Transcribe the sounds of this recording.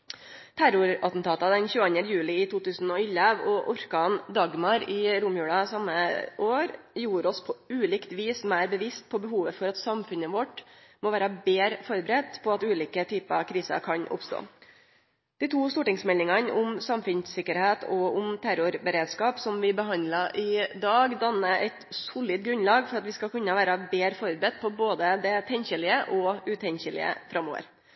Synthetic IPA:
t̪ʰæɾʊɾɑt̪n̩t̪ʰɑːt̪ɑd̪ɛnçʉːɑnəjʉːlɪɪt̪ʰuːt̪ʉːsən̩ɔɪlːəʋɔʔʊɾkɑnd̪ɑɡmɑɾɪɾʊmjʉːɽɑsɑmːəʔoːɾjuːɾɔspʰɔʉːliːkt̪ʋiːsmæɪɾbəʋɪst̪̚pʰɔbəɦuːʋəfɔɾɑt̪sɑmfʉnəʋɔʈmɔːʋæːɾəbeːɾfɔɾbəɾɛt̪ːpʰɔɑt̪ʉːliːkət̪ʰyːpəɑʋkʰɾiːsə̰kʰɑɲʔʊ̰pst̪o̰ː | d̪̥ɪːt̪ʰuːst̪uːʈɪŋsmɛlːɪŋɑnʊmsɑmfʉnssɪkːəɾheːt̪ʰɔʊmt̪ʰæɾʊɾbəɾeːd̪skɑːpsɔmʋɪbəɦɑnd̪lɑʔɪd̪ɑːɡd̪ɑnːəʔɛɪt̪sʊlɪt̪̚ɡɾʉnlɑːɡfɔɾɑt̪ʋɪskɑkʉnːəʋæːɾɑbeːɾfɔɾbəɾɛt̪̚pʰɔboːd̪əd̪ɛt̪ʰɛnçɪlɪəʔɔʉːt̪ʰɛnçɪlɪ̰ə̰fɾɑmːo̰ːʋə̰ɾ

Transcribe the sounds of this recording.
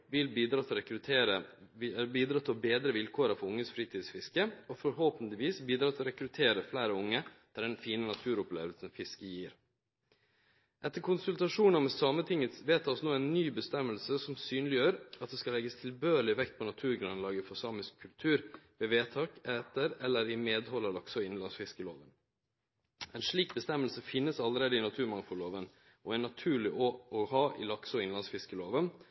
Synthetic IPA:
ʋɪlbiːd̪ɾɑːt̪ʰɪlɔɾɛkɾʉt̪ʰeːɾə | biːd̪ɾɑːt̪ʰɪlbeːd̪ɾəʋɪlkʰoːɾɑfɔɾʊŋːəsfɾiːt̪ʰiːd̪sfɪskəɔfɔɾɦoːpənt̪ɪʋiːsbiːd̪ɾɑːt̪ʰɪlɔɾɛkɾʉt̪ʰeːɾəflæːɾəʊŋːəd̪̥æɖɛnfiːnənɑt̪ʰʉːɾʊplḛːʋəlsənfɪskəjiːɾ | ʔɛt̪ːəɾkʰʊnsʉlt̪ɑʂuːnɑmɛsɑːmət̪ʰɪŋːət̪sʋeːt̪ʰɑːsnoːæɪnːyːbəst̪ɛmːəlsəsɔmsyːnlɪjøːɾɑt̪̚d̪ɛːskɑlɛɡəst̪ʰɪlbøːəɭɪʋɛkt̪̚pʰɔnɑt̪ʰʉːɾɡɾʉnlɑːɡəfɔsɑːmɪskʰːʉlt̪ʰʉːɾʋeːʋeːt̪ʰɑːkɛːt̪əɾɛlːəɾɪmeːd̪hɔlːɑlɑksɔɪɪnlɑnsfɪskəloːʋən | ɛɪnʂɭiːk̚bəst̪ɛmːəlsəfɪnːəsɑlːəɾeːd̪əɪnɑt̪ʰʉːɾmɑŋfɔloːʋən | ʔɔæɪnɑt̪ʰʉːɭɪʔoːʔɔhɑːʔɪ̰lɑksɔɪnɑnsfɪskəloːʋən

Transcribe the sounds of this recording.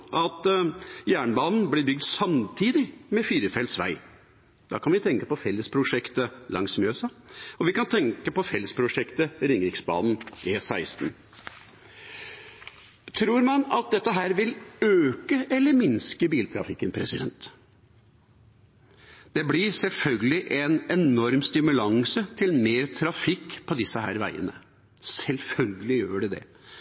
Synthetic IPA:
ʔɑt̪jæːɳəbɑːnn̩blɪɾbʏɡ̚d̪sɑmt̪ʰiːd̪ɪmɛfiːɾəfɛlsʋæ̰ɪ | d̪̥ɑ̰kʰɑnʋɪt̪ʰɛŋkəpɔfɛlːəspʰɾʊʂɛkt̪əlʔɑ̰ŋsmøːsɑ | ɔʋɪkɑnt̪ʰɛŋkəpɔfɛlːəspʰɾʊʂɛkt̪əɾɪŋɾɪksbɑ̰ːd̪n̩ɛsæɪst̪n̩ | t̪ʰɾuːɾmɑnɑt̪̚d̪ɛt̪ːəɦæːɾʋɪløːkəʔɛlːəɾmɪnskəbiːlt̪ʰɾɑ̰fɪkːənpʰɾɛsɪd̪ɛ̰nt̪ | d̪̥ɛblɪɾsɛlfœlɡəlɪʔɛnɛnɔɾmst̪ɪmʉlɑŋsət̪ʰɪlmeːɾt̪ʰɾɑfɪkːpʰɔd̪ɪsːəɦæ̰ːɾʋæ̰ɪə̰nə | sɛlfœlɡəlɪjøːɖɛd̪ɛ̰

